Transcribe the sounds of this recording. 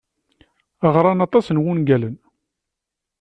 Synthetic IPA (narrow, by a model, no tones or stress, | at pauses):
əʁɾˤɑnɑt̪ˤɑsənwunɡælən